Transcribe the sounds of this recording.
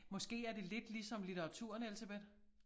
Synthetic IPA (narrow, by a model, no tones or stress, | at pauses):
mɒ̽sɡ̥e̝̰ːæɐd̥e̝le̝d̥lisɒ̽mlit͡sʰɐʁɑ̈t͡sʰṵɐ̰nelseb̥ed̥